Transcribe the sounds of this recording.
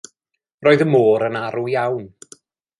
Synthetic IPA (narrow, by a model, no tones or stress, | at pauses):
roːjðəmoːɾənaɾujawn